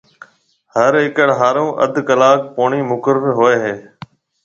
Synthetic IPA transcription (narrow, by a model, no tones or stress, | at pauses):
həɾɦɪkəɽɦaːɾõːʔə̰d̪ʱkəlaːk̚poːɳiːmʊkəɾəɾɦoeːɦeː